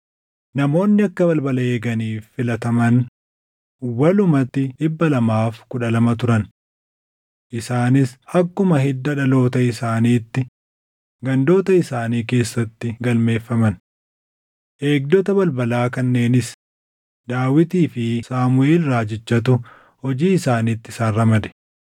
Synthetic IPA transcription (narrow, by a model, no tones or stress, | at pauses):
nɐmo̞ːnːɪɐkːɐbɐlbɐlɐeːɡɐniːfːɪlɐt̪ɐmɐn | wɐlʊmɐt̪ːɪᶑɪbːɐlɐmaːfkʊᶑɐlɐmɐt̪ʊɾɐn | ʔɪsaːnɪsɐkːʊmɐhɛd̪ːɐᶑɐlo̞ːt̪ɐɪsaːniːt̪ːɪ | ɡɐnd̪o̞ːt̪ɐɪsaːniːke̞ːsːɐt̪ːɪɡɐlme̞ːfːɐmɐn | ʔe̞ːɡ̚d̪ɔt̪ɐbɐlbɐlaːkɐnːe̞ːnɪs | d̪aːwɪt̪iːfɪsaːmʊeːlɾaːd͡ʒɪt͡ʃːɐt̪ʊ | hɔd͡ʒiːɪsaːniːt̪ːɪsaːrːɐmɐd̪ɛ̥